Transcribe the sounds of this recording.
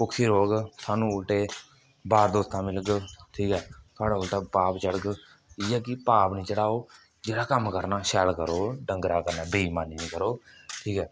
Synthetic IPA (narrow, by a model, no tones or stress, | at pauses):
pʊksiːɾoːɡsʰaːnũːʊlʈeː | baːɾd̪oːst̪ãːmɪləɡt̪ʰiːkɛːkʰaːɽaːʊlʈaːpaːpt͡ʃəɽəɡ | iːɛːkɪpaːpnĩːt͡ʃəɽaːoː | d͡ʒeːɽaːkəmkəɾnaːʃɛːlkəɾoːɖəŋɡɾaːkəɾnaːbeiːmaːniːnĩːkəɾoːʈʰiːkɛː